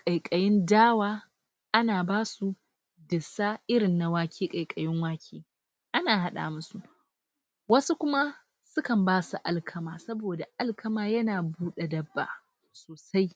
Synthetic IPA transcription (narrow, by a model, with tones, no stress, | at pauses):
kʼɐ˨jkʼɐ˨jɪ˦ndaː˦waː˦ | ʔa˦naː˨baː˦su˨ | dɪ˨sa˦ʔɪ˦ɾɪ˨nːa˨waː˦kʲʰiː˦kʼɐ˨jkʼɐ˨jɪ˦ŋwaː˦kʰʲeː˨ | ʔa˦naː˨ɦa˦ɗa̰ː˨mʊ˦su˨ʔ | wɐ˦su˦kʷʊ˦ma˦ | sʊ˦kɐ˨mbaː˦su˨ʔa˨lkʰɐ˦maː˨sɐ˦boː˨da˨ʔa˦lkʰɐ˦maː˨jɐ˦naː˨buː˦ɗa˨dɐ˦bːa̰ː˨ | soː˨sa˦j